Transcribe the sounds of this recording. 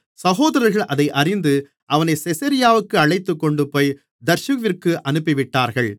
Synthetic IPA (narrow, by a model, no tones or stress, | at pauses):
sɐɣoːðɐɾɐɾɣɐɭʔɐðɐɪʔɐrɪnd̪ɯ | ʔɐʋɐnɐɪsɛsɐɾɪjaːʋɯkːɯɐɭɐɪt̪ːɯkːɔɳɖɯpoːj | d̪ɐɾʃɯʋɪrkɯʔɐnɯpːɪʋɪʈːaːɾɣɐɭ